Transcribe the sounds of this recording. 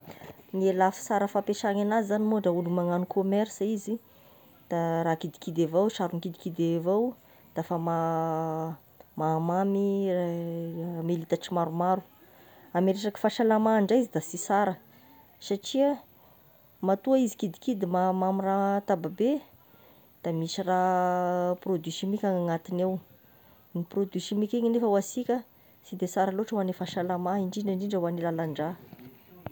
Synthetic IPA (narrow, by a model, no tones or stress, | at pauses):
nielafi̥saɾəfapeʃaŋanazizanimoɖ͡ʐaulumaŋanukʰomɛɾsizi | d̪̥aɾakid̪i̥kid̪evawʃaɾunikid̪i̥kid̪evaw | d̪̥afama | mamami | melit̪aʈ͡ʂimaɾumaɾu | ameɾeʈ͡ʂaki̥faʃalamaɳɖ͡ʐaizid̪asisaɾə | saʈ͡ʂiə | mat̪uaizi̥kid̪i̥kid̪imamamirat̪ababe | d̪̥amisira | prod̪ysimikʲaŋaŋat̪inew | niprod̪ysimikʲeɲinefəwasikʲə | sid̪esaɾaloʈ͡ʂəwanefaʃalamaiɳɖ͡ʐiɳɖ͡ʐiɳɖ͡ʐiɳɖ͡ʐəwanilalaɳɖ͡ʐa